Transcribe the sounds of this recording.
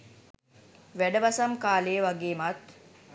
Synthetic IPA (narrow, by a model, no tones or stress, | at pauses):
ʋæɖəʋɐsɐmkaːleːʋaɡeːmɐt̪